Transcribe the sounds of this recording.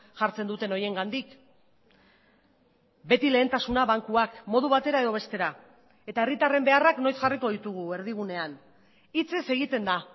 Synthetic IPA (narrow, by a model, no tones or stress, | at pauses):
ʝaɾt͡se̞nd̪ut̪e̞no̞je̞ŋɡand̪ik | be̞t̪ile̞ːnt̪asunaβaŋkuakmo̞ð̞uβ̞at̪e̞ɾae̞ðo̞β̞e̞st̪e̞ɾa | et̪ae̞rit̪are̞mbe̞arakno̞jsʝariko̞ðit̪uɣ̞ue̞ɾðiɣ̞une̞an | it͡se̞se̞ɣ̞it̪e̞nd̪a